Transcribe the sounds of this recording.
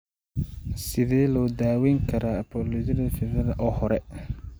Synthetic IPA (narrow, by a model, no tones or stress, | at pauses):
sɪðɛːlɔːd̪aːwɛːŋkʰɐɾʔaːɐpʰɔːlɔjɐðɐfɪɾɐðɐʔɔːhɔɾɛ